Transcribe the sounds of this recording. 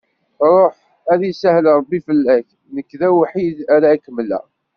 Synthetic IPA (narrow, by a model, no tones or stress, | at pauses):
ɾˤoħ | æðisæhləɾˤbːifəlːæθ | nəkːðæwħiðæɾakːəmlæ̰